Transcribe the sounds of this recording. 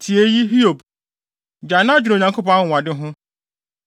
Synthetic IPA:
tʰi˨e˦ji˦ɦi˦o˨b | d͡ʒa˨nã˦d͡ʑʊ˨ɾo˨ɲã˨ko˦pɔ̃˦a˦ŋ̩˨wa˨dɪ˦ɦʊ̃˦

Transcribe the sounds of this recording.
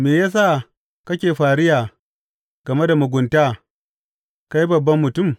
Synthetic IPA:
meː˨jaː˦s̬a˦˨ | kɐ˦kʲeː˨ɸaː˨ɽɪ˦jaː˨ | ɡ̥ɐ˨me˦da˨mʊ˨ɡʷʊ˨ntaː˦ | ka˦ji˦bɐ˨bːɐ˦mːʊ˨tʊ˦˨m

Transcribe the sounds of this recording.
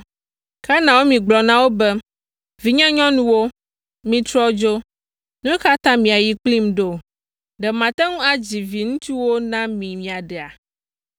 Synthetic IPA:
ka˦nã˨wo˦mĩ˨ɡ͡blɔ˨nã˦wo˦bɛ˦ | vi˨ɲã˦ɲɔ̃˦nũ˦wo˦ | mĩ˨t̪ɾɔ˦d͡ʒo˦ | nũ˦ka˦t̪ã˦mĩ˨a˨ji˦k͡pli˦mɖo˦ | ɖɛ˨mã˨t̪ɛ˦ŋũ˦a˨d͡ʑi˨vi˨ŋũ˦t̪i˦wo˦nã˦mĩ˨mĩ˨a˨ɖɛ˨a˨

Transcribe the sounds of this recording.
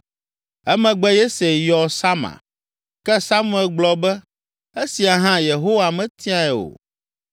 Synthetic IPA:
ɛ˦mɛ̃˨ɡ͡bɛ˦je˦se˨jɔ˨sa˦ma̰˨ | kɛ˦sa˦mũ˦ɛ˨lɡ͡blɔ˨bɛ˦ | e˦si˨a˨ɦã˦je˨ɦo˦wa˨mɛ̃˨t̪i˦a˦ɛ˨o̰˨

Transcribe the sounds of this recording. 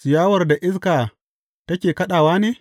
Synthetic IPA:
sɪ˨jaː˦wɐ˨rda˨ʔɪ˦s̬kaː˨ | tɐ˦kʲeː˨kɐ˦ɗaː˨waː˦neː˦

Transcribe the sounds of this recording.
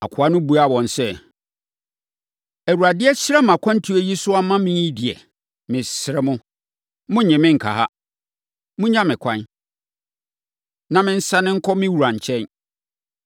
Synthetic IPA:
a̰˨kʷʰʊ˨˦a˦nʊ̃˦bu˦a˨wɔ̃˨nsɛ˦˨ | æ˨wu˨ɾa˨dɪ˦ɛ˦ɕɾɛ˦m˨ã˨kʷʰã˦n˦tʰu˦ɛ˦ji˦sʊ˦a˦mã˦mɪ̃˦i˦dɪ˨ɛ̰˨ | mɪ̃˨sɾɛ˦mʊ̃˦ | mʊ̃˦ɲɪ̃˨mɪ̃˦ŋ̩˨kʰa̰˨ha˦ | mʊ̃˦ɲã˦mɪ̃˨kʷʰã˦n | nã˨mɪ̃˦n̩˦sã˦nɪ̃˦ŋ̩˦kʰɔ˦mɪ̃˦wu˨ɾã˨ɲ˨t͡ɕʰɛ̃˦n

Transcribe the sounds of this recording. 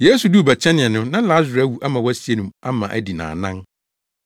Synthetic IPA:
je˦su˨du˦˨bæ˨t͡ɕʰɛ̃˦nɪ̃˨ɛ˨nʊ̃˦nã˦la˦zɾæ˦wu˨ʔa˦mã˨wɔ˦æ˦si˦e˦nũ˨ma˦mã˨ʔæ̰˦di˨nã̰ː˨nã˦n

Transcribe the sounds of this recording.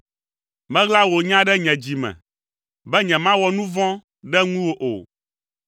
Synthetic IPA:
mɛ̃˦ɣla˦wo˨ɲã˦ɖɛ˦ɲɛ̃˨d͡ʑi˨mɛ̰̃˨ | bɛ˦ɲɛ̃˨mã˦wɔ˨nũ˦vɔ̃˦ | ɖɛ˦ŋũ˦wo˦ʔo̰˨

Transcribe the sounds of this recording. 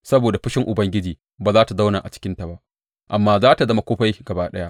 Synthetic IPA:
sɐ˦boː˨da˨ɸɪ˦ʃɪ˦ŋʔʊ˨bɐ˦ŋɡʲɪ˦d͡ʒiː˨ | baː˨zaː˦ta˨za˦wnaː˨ʔa̰˨t͡ʃɪ̥˦kʲɪ˦nta˨ba˦ʔ | ʔa̰˨mːaː˦zaː˦ta˨zɐ˦ma˦kʷoː˦ɸa˦jɡ̥ɐ˨baː˦ɗɐ˦ja˦ʔ

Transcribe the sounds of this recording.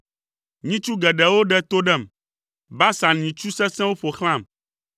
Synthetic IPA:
ɲĩ˦t͡ʃu˦ɡɛ˨ɖɛ˨wo˦ɖɛ˦t̪o˦ɖɛ˦˨m | ba˦sã˨ɲĩ˨t͡ʃu˦sɛ˦sɛ̃˦wo˦ɸo˨xl̃ã˦˨m

